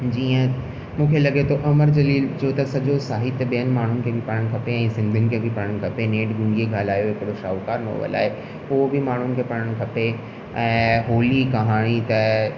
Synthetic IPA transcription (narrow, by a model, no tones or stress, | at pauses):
d͡ʑiːə̃ | mũːkʰelɐɡet̪ʰoʔɐməɾd͡ʑɐliːld͡ʑoːt̪ɐsɐʄosaːɦit̪ːɐɓijənɪ̆maːɳ̤ʊnɪ̆kʰeːbʱɪpɐɽ̃əɽ̃kʰɐpeɛ̃ːsɪ̃nd̪ʱənɪ̆kʰeːbʱɪpɐɽəɽ̃kʰɐpeneːʈɡʊ̃ɳɖieɡʱaːlaːjoɦɪkɪɽoʃa̰ːʋkaːɾno̰ːʋə̰la̰ːɦe | ʊɦobɪmaːɳ̤ʊnɪ̆kʰeːpɐɽ̃əɽ̃̆kʰɐpe | ɛ̃ːɦoːlikɐɦaːɽ̃it̪ɐ